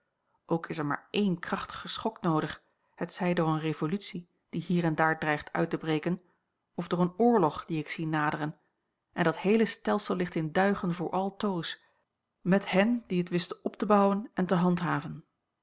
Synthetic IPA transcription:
ʔowkɪsɛɹma̰ːɹʔejnkrɑχtə̥χəsχɔknowdəχ | hətsɛjdʊːɹənrevolytsi | d̥iɦiːɹɛndaːɹdrɛjχtʰœ̰ɥtəbrejkən | ɔvdʊːɹənʊːɹlɔχd̥iɪksinaːdərən | ʔɛndɑtɦejləstɛlˠsəlˠːɪχtɪndœɥχənvʊːɹʔɑlˠtows | mɛthɛndiɦətʋɪstəɔp̚təbɑwənɛntəɦɑntɦaːvən

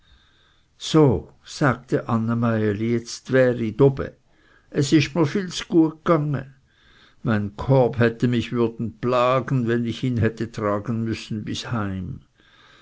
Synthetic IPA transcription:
soː | z̥aːɡ̚tʰəʔanːamaɪəlijɛt͡stv̥ɛːʁidɔbə̰ | ʔɛsɪstmiːɐfiːlsɡ̥uːɐɡ̚ɡ̥aŋə̰ | maɪnkʰɔɐphɛtəmɪçv̥ʏɐdn̩plaːɡən̩vɛnɪçiːnɦɛtətʁ̥aːɡən̩mʏsn̩bɪshaɪm

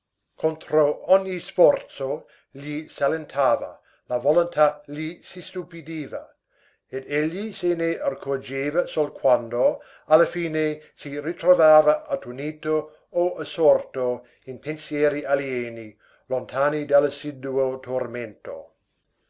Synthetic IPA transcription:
kʰont̪ɾoɔɲːisfɔrt̪so | ʎisalent̪ʰaːva̰ | lavolont̪ʰaʎisist̪upid̪iːva | ed̪eʎːisenearkʰord͡ʒeːvasolkʰwand̪o | alːafiːnesirit̪ɾovaːvɐʔat̪uniːt̪o | oasort̪o | inpʰensjɛːɾialjɛːni | lont̪ʰaːnid̪alsid̪uot̪ʰorment̪o̰

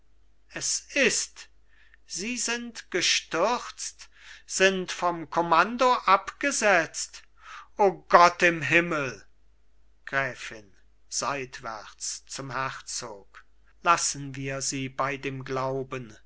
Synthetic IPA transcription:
ʔɛsɪst | z̥iːzɪntɡ̥əʃtʏʁt͡st | z̥ɪntfɔmkʰɔmandoʔapɡ̥əzɛt͡st | ʔoːɡɔtɪmɦɪməl̩ | ɡ̥ʁɛːfɪn | z̥aɪtv̥ɛ̰ʁt͡st͡sʊmhɛʁt͡soːk | lasn̩viːɐziːbaɪdeːmɡlaʊbən

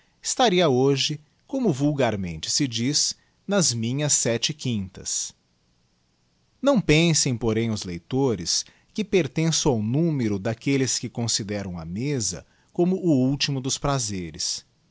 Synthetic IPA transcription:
ɪst̪aɾiɐoʒɪ | kõmʊvuwɡaɾmḛ̃nt͡ʃɪ̥sɪd͡ʒiz | nɐzmĩɲɐsːɛt͡ʃɪkĩnt̪ɐ̰s | nɐ̃w̃pẽsẽj̃poɾẽj̃ʊzlejt̪oɾɪs | kɪpeɾt̪ẽsɐ̃w̃awnũmeɾʊd̪akelɪskɪkõsid̪ɛɾɐ̃w̃ɐ̰mezɐ̰ | kõmʊʔʊuwt͡ʃimʊd̪ʊspɾazeɾɪ̰s

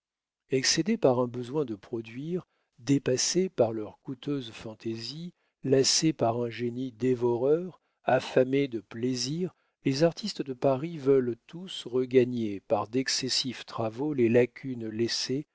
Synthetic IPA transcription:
ɛksed̪epaʁɛ̃bəzwɛ̃d̪əpχɔd̪ɥiʁ | d̪epasepaʁlœʁkut̪øzfɑ̃t̪ezi | lasepaʁɛ̃ʒenid̪evɔʁœʁ | afamed̪əpleziʁ | lezaʁt̪ʰist̪d̪əpaʁivœlt̪usʁəɡaɲepaʁd̪ɛksɛsift̪χavolelakʲʰynlese

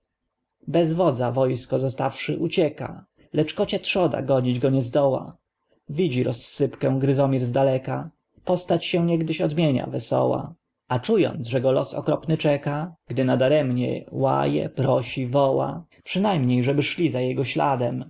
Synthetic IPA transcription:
bɛzvɔd̪zavɔjskɔzɔst̪afʂɘʔut͡ɕɛka̰ | lɛt͡ʂkɔt͡ɕat̪ʂɔd̪a̰ɡɔɲid͡ʑɡɔɲɛzd̪ɔwa̰ | vʲid͡ʑiɾɔsːɘpkɛ̃w̃ɡɾɘzɔmʲiɾzd̪alɛka | pɔst̪at͡ɕɕɛ̃w̃ɲɛɡd̪ɘɕɔd̪mʲjeɲa̰vɛsɔ̰wa̰ | at͡ʂujɔ̰nt̪sʐɛɡɔlɔsɔ̰kɾɔpnɘt͡ʂɛkaɡ̥d̪ɘnad̪aɾɛmɲɛ̰wa̰jɛ̰pɾɔɕivɔwa̰ | pʂɘnajmɲejʐɛbɘʂlʲizajɛɡɔɕlad̪ɛm

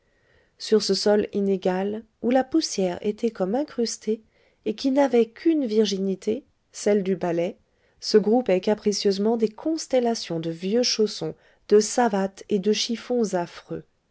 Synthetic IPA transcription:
syʁsəsɔlineɡal | ulapusjɛʁḛt̪ʰɛkɔmɛ̃kχyst̪eː | kʲinavɛkʰynviʁʒinit̪ʰe | sɛld̪ybalɛ | səɡʁupɛkapχisjøzmɑ̃d̪ekʰɔ̃st̪ɛlasjɔ̃d̪əvjøʃosɔ̃ | d̪əsavat̪ed̪əʃifɔ̃zafχø̰

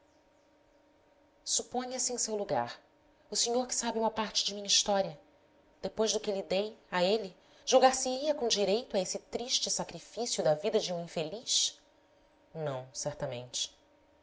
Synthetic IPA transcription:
supõɲɐsɪẽsewluɡa̰ɾ | ʊseɲoɾkɪ̥sabiũmɐpaɾt͡ʃɪd͡ʒɪmĩɲɐiʃt̪ɔɾiɐ | d̪̥epojʒd̪ʊkɪlid̪ejaeli | ʒ̥uwɡaɾsiiɐkõd͡ʒiɾejt̪ʊaesɪt̪ɾiʃt͡ʃɪsakɾifisjʊd̪ɐvid̪ɐd͡ʒɪũĩfeliʃ | nɐ̃w̃sɛɾt̪ɐmḛ̃nt͡ʃɪ̥

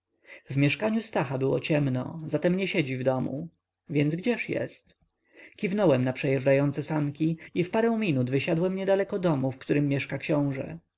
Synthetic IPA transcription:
vmʲjɛʂkaɲust̪axabɘwɔ̰t͡ɕɛmnɔ̰zat̪ɛmɲɛɕɛd͡ʑivd̪ɔmṵ | vʲjɛnzɡd͡ʑɛʂjɛ̰st̪ | kʲivnɔwɛmnapʂɛjɛʐɖajɔnt̪sɛsaŋkʲiifpaɾɛw̃mʲinud̪vɘɕad̪wɛmɲɛd̪alɛkɔd̪ɔmufkt̪uɾɘmːjɛʂkakɕɔ̃w̃ʐɛ̰

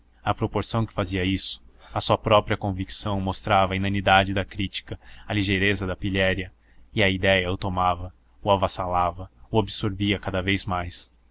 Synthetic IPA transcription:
ɐpɾopoɾsɐ̃w̃kɪ̥faziɐisʊ̥ɐsuɐpɾɔpɾiɐkõviksɐ̃w̃most̪ɾavɐːinẽnid̪ad͡ʒɪd̪ɐkɾit͡ʃi̥kɐɐliʒejɾezɐd̪ɐpiʎɛɾjɐ | ɪɐid̪ɛjɐʊt̪omavɐ | ʊavasalavɐʊabɪsoɾviɐkad̪ɐvejzmajs

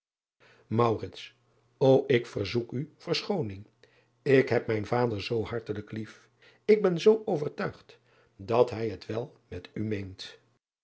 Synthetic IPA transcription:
mɑwrɪts | owʔɪkfəɹzukyv̥əɹsχownɪŋ | ɪkɦɛp̚mɛjnvaːdəɹzowɦɑɹtələklif | ɪɡ̚bɛnzowʔowvəɹtœɥχt | dɑtɦɛjɦətʋɛlˠ | mɛtymejnt

